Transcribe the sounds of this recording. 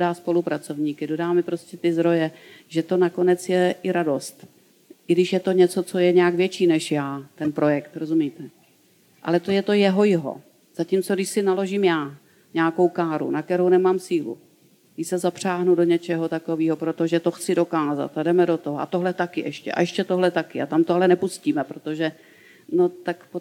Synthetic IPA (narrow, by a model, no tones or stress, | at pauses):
odaːspo̞lupɾat͡so̞vɲiːkɪdo̞daːmɪpɾo̞scɛt̪ɪzd̪ɾo̞jɛʒɛt̪o̞nako̞nɛt͡sjɛʔɪɾado̞st̪ | ʔɪɡdɪʃjɛt̪o̞ɲɛt͡so̞t͡so̞jɛɲɛaɡvjɛt͡ʃiːnɛʃjaːt̪ɛnpɾo̞jɛkt̪ɾo̞zumit̪ɛ | ʔa̰lɛt̪ojɛt̪o̞jɛɦo̞jɪɦo̞̰ | z̥acimt͡soɡdɪʃsɪnalo̞ʒɪmjaː | ɲɛako̞wkaːɾṵnakt̪ɛɾownɛmaːmsiːlṵ | ɪsɛzapr̝̥aːɦnudo̞ɲɛt͡ʃɛɦot̪ako̞viːɦopɾot̪o̞ʒɛt̪o̞xt͡sɪdo̞kaːza̰t̪adɛmɛdo̞t̪oɦoʔa̰t̪oɦlɛt̪akɪʔɛʃcɛ̰ʔa̰ʔɛʃcɛt̪oɦlɛt̪akɪʔa̰t̪amt̪oɦlɛnɛpusciːmɛpɾot̪o̞ʒɛ | no̞t̪akpo